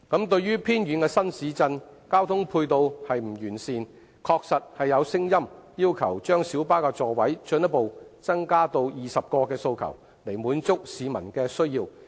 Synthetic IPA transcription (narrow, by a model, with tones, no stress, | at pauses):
kɐ˨˥mt̪̬ɵ˧ɥɥyː˥pʰiː˥njyː˨˥nkɛː˧sɐ˥nsiː˨˥t͡sɐ˧nkaː˥wt̪ʰʊ˥ŋpʰuː˧jt̪o˧whɐ˨jm̩˨˩jyː˨˩nsiː˨n | kʰɔː˧k̚sɐ˨t̚hɐ˨jːɐ˨˧wsɪ˥ŋjɐ˥mjiː˥wkʰɐ˨˩wt͡ʃœː˥ŋsiː˨˥wpaː˥kɛː˧t͡sɔː˨wɐ˨˥jt͡ʃɵ˧njɐ˥t̚po˨wt͡sɐ˥ŋkaː˥t̪o˧wjiː˨˩sɐ˨p̚kɔː˧kɛː˧so˧wkʰɐ̰˨˩w | le˨˩jmuː˨˥nt͡sʊ˥k̚siː˨˧mɐ˨˩nkɛː˧sɵ˥ɥjiː˧w